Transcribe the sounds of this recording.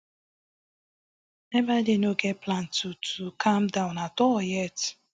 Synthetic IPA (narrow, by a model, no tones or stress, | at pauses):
ebadenoɡeplan̩tutʰukʰamdaʊ̃natɔjɛt